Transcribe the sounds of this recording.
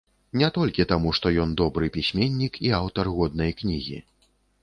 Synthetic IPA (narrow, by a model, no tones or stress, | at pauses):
nʲɛt̪ɔlʲkʲit̪amuʂt̪ɔjɔnd̪ɔbɾɨpʲisʲmʲenʲːikiawt̪ɐrɣɔd̪nɐjknʲiɣʲḭ